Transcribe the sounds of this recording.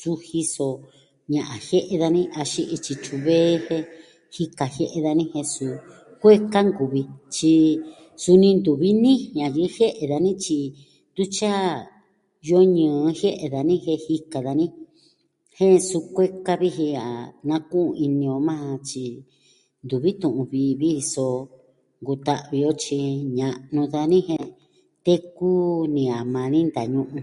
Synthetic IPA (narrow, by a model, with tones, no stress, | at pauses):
su˦hi˧so˧ | ɲã˨ʔã˨he˦ʔe˧ða˧nĩ˦ʔa˧ʃi˧ʔi˧t͡ʃi˧t͡ʃu˧βeː˦hẽ˦˧ | hi˧ka˨he˦ʔe˧ða˧nĩ˦he˧su˧ | kʷe˦ka˦ŋɡu˨βi˧t͡ʃi˧ | su˧nĩ˧nd̪u˨βi˦nĩ˦ɲã˨ji˧˦he˦ʔe˨ða˧nĩ˦t͡ʃi˧ | d̪u˦t͡ʃa˦ | jo˧˦ɲɨ̃ː˨˧he˦ʔe˧ða˨nĩ˦ɦe˧hi˧ka˨ða˧nĩ˦ | hẽ˦˧su˧kʷe˦ka˦βi˧ɦĩ˧a̰˨nã˧kũ˦˧i˧nĩ˧o˧mã˦˧t͡ʃi˧ | nd̪u˨βi˦t̪ũ˨ʔũ˧βi˧βi˦˧so˧ | ŋɡu˧t̪a˧ʔβi˧o˦t͡ʃi˧ɲã˨˧nũ˧ða˧nĩ˦hẽ˧ | t̪e˦ku˦nĩ˧a˨mã˧nĩ˦nd̪a˨ɲũ˧ʔũ˧